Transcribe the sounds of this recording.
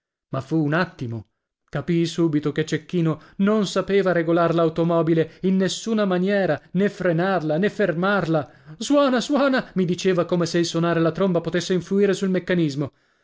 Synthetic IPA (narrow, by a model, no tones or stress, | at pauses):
mafuːnat̪ːimo | kapisuːbit̪oket͡ʃːekːiːnononsapeːvaɾeɡolarlaut̪omɔːbileinːesːuːnamanjɛːɾanefɾenarlanefːermarlaswɔːnaswɔːnamid̪it͡ʃeːvakomeseilsonaːɾelat̪ɾombapot̪esːeiɱfluiːɾesulmekːanizmo